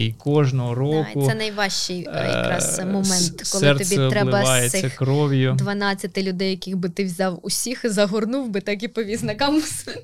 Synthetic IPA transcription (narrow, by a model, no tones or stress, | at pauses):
ikɔʒnɔɦɔɾɔkʊsɛnɐjʋɑʃt͡ʃɪjjɐ̰kɾɑ̰smɔmɛnt̪kɔlˠɛrt̪ɔbʲiɛt̪ɾɛlˠɪbɐɑjesʲɪːɐxkɾɔʋʲjʊd̪ʋɐnɑt͡sʲːɐt̪ɪlʲʊd̪ɛjjɐkɪɣbɪt̪ɪwzʲɑwʊsʲixzɐɦɔrnuwbɪt̪ɑkipɔʋʲiznɐkɑmʊs